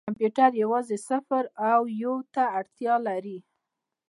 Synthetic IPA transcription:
kampjuʈaɾjawɑzesafaɾawjot̪aːɽt̪jɑlaɾi

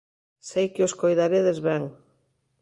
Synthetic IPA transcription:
sejkɪoskojðaɾeðezβɛŋ

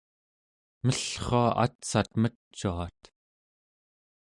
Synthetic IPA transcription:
məɬχoaʔa̰t̪sat̪mə | t͡ʃːuat̪

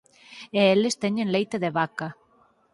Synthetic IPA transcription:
eelest̪eɲenlejt̪eðeβaka

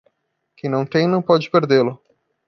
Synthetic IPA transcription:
kẽj̃nɐ̃w̃t̪ẽj̃nɐ̃w̃pɔd͡ʒɪpeɾd̪elʊ

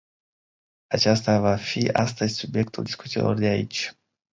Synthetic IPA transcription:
at͡ʃast̪avafia̰st̪əzʲsubje̞k̚t̪uld̪iskut̪sḭlo̞̰rd̪eait͡ʃʲ

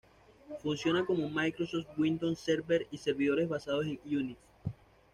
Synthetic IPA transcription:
funsjo̞nako̞momajkɾo̞soft̪̚wind̪onseɾbeɾise̞ɾβiðo̞ɾe̞zβasað̞o̞s̬e̞ŋjunis

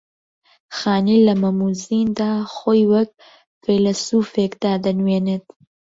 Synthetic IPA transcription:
xaːnilɐmɐmuːziːnd̪aːxoːjwɐk̚ | felɐsuːfekd̪aːd̪ɐnweːnet̪

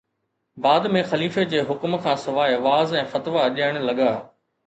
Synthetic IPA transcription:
baːd̪mẽxɐliːfed͡ʑeːɦʊkmkʰãːsɪʋaːeʋaːzɛ̃ːfɐt̪ʋaɐʄaːɪɽ̃lɐɠaː

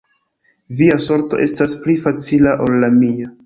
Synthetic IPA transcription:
viaso̞ɾto̞̰ʔe̞̰stasplifat͡silaʔo̞lːamia

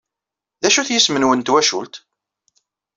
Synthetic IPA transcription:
ðæʃuθjəsmənwənt̪wæʃṵlt̪

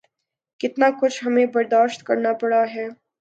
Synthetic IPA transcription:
kɪt̪nakʊt͡ʃʰɦɐmẽbɐɾd̪aːʃt̪kɐɾnapɐɽaɦɛː

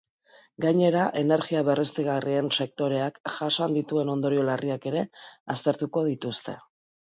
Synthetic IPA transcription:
ɡaɲe̞ɾaʔe̞ne̞ɾɣiaβe̞re̞st̪eɣarie̞nse̞k̚t̪o̞ɾe̞akʝasand̪it̪ue̞no̞nd̪o̞ɾio̞lariake̞ɾe̞ast̪e̞ɾt̪uko̞ð̞it̪ust̪e̞

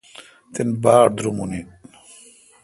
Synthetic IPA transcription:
t̪enbaːɾd̪ɾumuni

